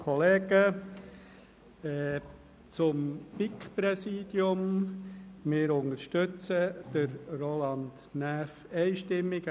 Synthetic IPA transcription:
kʰɔleːɡ̥ə | ɛ | t͡sʊmpikpɾɛsiːd̥jʊm | mɪːɾʊnəɾʃtøt͡səd̪̥əɾrolɑnd | næːf | ɛɪʃtɪmːɪɡ

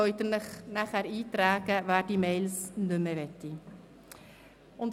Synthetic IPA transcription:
ɔʏt̪ənəχnæχhæɾiːtræːɡəvæːd̥imeɪlsnʏməvɛtːi | ʊnt

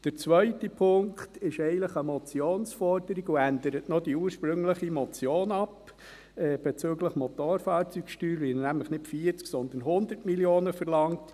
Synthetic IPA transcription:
d̥əɾt͡sʋœʏtəpʰʊŋktɪʃɛɪənləχəmɔt͡sjoːnsfɔɾd̥əɾiɡuænd̪əɾətnod̥iuːɾʃpɾɵŋləχimɔt͡sjoːnɑp | ɛːb̥ɛt͡søːɡləχmɔt̪oːɾfɑːɾt͡sykʃtyːɾʋɪnæmləχnɪtfiːɾt͡sksɔnd̪ən̩ɦʊnd̪əɾtmiljoːnəfəɾlɑŋt

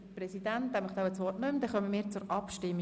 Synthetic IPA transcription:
prɛsid̥̪ænt̪ɛməχd̪aʊwət͡sʋɔrtnʏmd̥̪ɛχœməmɪːɾt͡sʊɾɑpʃtɪmːi

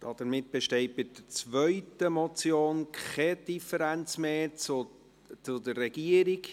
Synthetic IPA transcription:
d̥ɑd̪̥əɾmɪt̚b̥eʃtɛɪt̚b̥ɪd̪̥ət͡svœʏtəmɔt͡sjoːnkɛd̥ifəɾænt͡smeːt͡sʊ | t͡sʊd̪ərːɛɡiəɾik

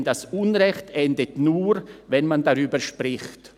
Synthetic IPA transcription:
ndasunʁɛçtɛndətnuːɾvɛnmandaʁyːbəʃprɪxt

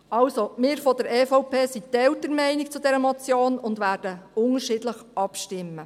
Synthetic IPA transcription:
ɑlsomɪːɾfɔdəɾɛːfɔʊpʰeːsit̪ɛltəɾmɛɪnɪkt͡sʊdɛɾəmɔt͡sjoːnʊndʋæːrd̥əʊŋəɾʃɪːdləχɑpʃtɪmːə

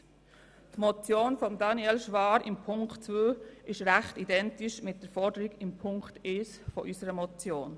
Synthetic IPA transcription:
tmɔt͡sjoːnfɔmdɑniɛlʃʋɑːɾɪmpʰʊŋktt͡svøːɪʃɾæχtidɛntiʃmɪt̚d̥əfɔɾdəɾiɡɪmpʰʊŋktes | fɔʔysəɾəmɔt͡sjoːn

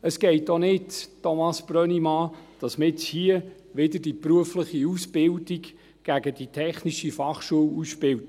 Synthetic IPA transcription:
əsɡ̥ɛɪtonɪttːɔmɑsb̥ɾœnimɑːd̥ɑsməɪt͡shiə | ʋɪdəd̥ipɾuəfləχiusb̥ɪldik | ɡ̥æɡəd̥itʰɛχniʃifɑχʃuəwuspɪwt

